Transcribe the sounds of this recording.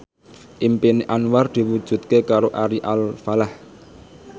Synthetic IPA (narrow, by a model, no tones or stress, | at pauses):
ʔimpiniʔanward̪̥i̤wud̥ʒ̥ṳt̪̚kekaɾoʔaɾiʔalfalah